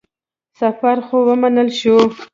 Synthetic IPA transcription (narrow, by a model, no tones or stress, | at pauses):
safaɾxowəmanəlʃo